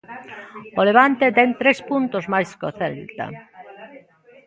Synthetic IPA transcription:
oleβ̞ant̪et̪ɛŋt̪ɾespunt̪ozmajskoθɛlt̪ɐ̰

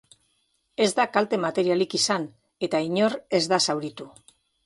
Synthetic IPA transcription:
e̞zd̪akalt̪e̞mat̪e̞ɾialikisan | e̞t̪aiɲo̞re̞zd̪asawɾit̪u

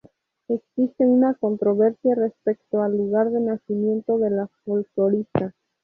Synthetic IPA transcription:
e̞ksist̪eunako̞nt̪ɾo̞βe̞ɾsjare̞spe̞kt̪oalːuɣaɾðe̞nasimjẽ̞nt̪o̞ðe̞lafolkloɾist̪a

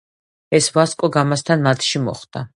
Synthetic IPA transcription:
ɛsvaskʼɔɡamast̪ʰanmat̪ʰʃimɔ̰χd̪a

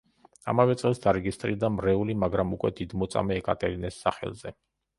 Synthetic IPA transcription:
a̰mavɛt̪sʼɛlˠsd̪aɾɛɡist̪ʼɾiɾd̪amɾɛulimaɡɾamukʼwɛd̪id̪mɔt̪sʼa̰mɛːkʼat̪ʼɛɾinɛsːaχɛ̰lˠzɛ

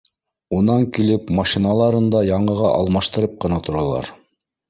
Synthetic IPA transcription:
unɑŋkilɘpmaʃinɑlˠɑɾɤnd̪ɑjɑɴɤ̆ʁɑʔɑ̰lˠmɑʃt̪ɤ̆ɾɤp̚qɤ̆nɑt̪ŏɾɑlˠɑ̰ɾ

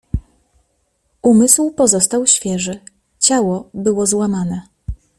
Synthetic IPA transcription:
umɘswpɔzɔst̪awɕfʲjɛʐɘ | t͡ɕawɔbɘwɔzwamanɛ

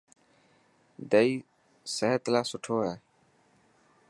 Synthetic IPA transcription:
d̪əiː | səɦet̪laːsʊʈʰoːɦɛː

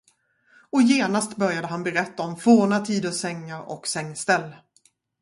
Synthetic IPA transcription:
ɔjeːnast̪bœɾjad̪əɦanbɛɾɛt̪ːaɔmfoːɳat̪ʰiːd̪əsɛŋːaɾɔ̰ksɛŋːst̪ɛlː

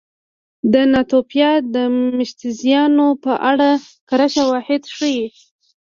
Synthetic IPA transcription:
d̪ənɑt̪opjɑd̪əmɪʃt̪ɪzjɑnopəʔaɽa | kaɾaʃawɑhɪd̪ʂəji

